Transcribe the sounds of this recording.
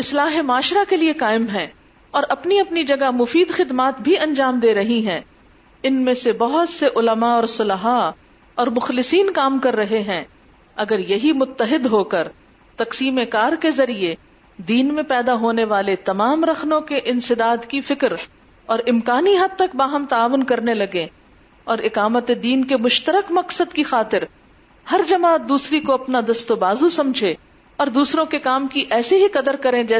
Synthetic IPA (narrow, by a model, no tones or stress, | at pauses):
ɪslaːɦemʊaːʃɾakeliekaːɪmɦɛ̃ː | ɔːɾɐpniɐpnid͡ʒɐɡamʊfiːd̪xɪd̪maːt̪bʱiɐ̃ɲd͡ʒaːmd̪eːɾɐɦiɦɛ̃ː | ɪnmẽsebɐɦʊt̪seʔʊləmaɔːɾsʊlɦa | ɔːɾmʊxlɪsiːnkaːmkɐɾːɐɦeɦɛ̃ː | ɐɡəɾjɐɦimʊt̪ːəɦɪd̪ɦoːkəɾ | t̪ɐqsiːmekaːɾkezɐɾie | d̪iːnmẽpɛːd̪aɦoːneʋaːlet̪ɐmaːmɾɐxnõkeʔɪ̃nsɪd̪aːd̪kifɪkɾ | ɔːɾɪmkaːniɦɐd̪̚t̪ɐkbaːɦəmt̪ɐaːʋʊnkɐɾnelɐɡẽ | ɔːɾɪqaːmət̪ed̪iːnkemʊʃt̪əɾəkmɐqsəd̪kixaːt̪ɪɾ | hɐɾd͡ʒɐmaːt̪̚d̪uːsɾikoɐpnad̪ɐst̪obaːzusɐ̃md͡ʒʱe | ɔːɾd̪uːsɾõkekaːmkiʔɛːseɦiqɐd̪əɾkɐɾẽd͡ʒɛː